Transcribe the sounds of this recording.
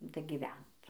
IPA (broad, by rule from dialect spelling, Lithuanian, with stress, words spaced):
dɐɡʲiːˈʋʲɛnt